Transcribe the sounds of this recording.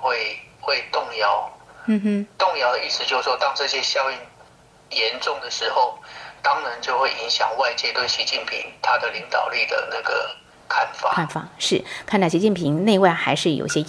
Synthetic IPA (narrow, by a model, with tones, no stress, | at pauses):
xwe˥˧ɪxwe˥˧ɪt̪ʊ˥˩ŋjɑ˧˥ʊmn̩˥˧m̩˥t̪ʊ˥˩ŋjɑ˧˥ʊd̪ə˧i˥˧ʂɻ̩˧˩t͡ɕjo˥˧ʊs̩˩ʂwɔ˥˧t̪ɑ˥˧ŋʈ͡ʂɤ˥˧ɕjɛ˦˥ɕjɑ˥˧ʊi˥˩n | jɛ˧˦nʈ͡ʂʊ˥˩ŋd̪ə˩ʂɻ̩˧˥xo˥˩ʊt̪ɑ˦˥ŋna˧˦nt͡ɕjo˥˧ʊxwe˥˩ɪʔi˧˦˥ŋɕjɑ̰˨˩ŋwa˥˧ɪt͡ɕjɛ˥˧t̪we˥˩ɪɕi˧˥t͡ɕi˥˩npʰḭ˧˥ŋt̪ʰa˥d̪ə˨li˧˥ŋt̪ɑ˨˩ʊli˥˩d̪ə̰˩na˥˩ɡə̰˩ | kʰa˥˩nfa̰˨knfa̰˨˩ʂɻ̩˥˩kʰnt̪ʰɑ˥˩ɕi˧˥t͡ɕi˥˩npʰi˧˥ŋne˥˧ɪwa˥˩ɪxa˧˥ɪʂɻ̩˥˩jo˨˩ʊ˩ɕjɛ˥